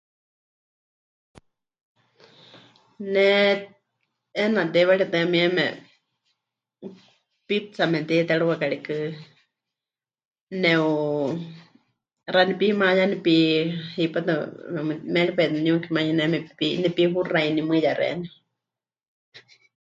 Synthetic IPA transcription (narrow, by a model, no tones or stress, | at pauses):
nɛ | ɛnat̪ɛwaɺiat̪ɨamiɛmɛ̰ | pit͡samɛt̪ɛt̪ɛɺuwakaɺikɨ | nɛ̃u | ranipimajanipihipat̪ɨmɛmɨmɛɺipɛt̪nuŋkʰimajinɛmɛpinɛpiɦurainimɨjaɾɛ̰ɛ̰nɛ